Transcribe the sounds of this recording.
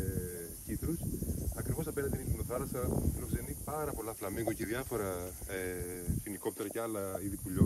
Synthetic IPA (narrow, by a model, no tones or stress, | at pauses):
cit̪ɾusɐkɾivo̞sɐpe̞nɐnd̪enit̪inoθɐlɐsɐfilo̞kse̞nipɐɾɐpo̞lɐflɐmiɣuceðjɐfo̞ɾɐefiniko̞pt̪e̞ɾɐceɐlɐiðipuʎo